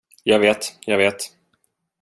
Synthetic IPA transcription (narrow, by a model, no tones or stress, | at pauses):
jɑːɡveːt̪jɑːɡveːt̪